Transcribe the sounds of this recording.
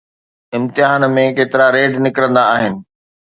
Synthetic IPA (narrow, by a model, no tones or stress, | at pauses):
ɪ̃mt̪ɪɦaːnmẽkeːt̪ɪɾaɾeːɖnɪkɾə̃nd̪aːɦɪnɪ̆